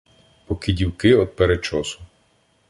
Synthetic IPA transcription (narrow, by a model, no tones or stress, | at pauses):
pɔkidʲiwkɪɔd̪̚peɾet͡ʃɔsʊ̥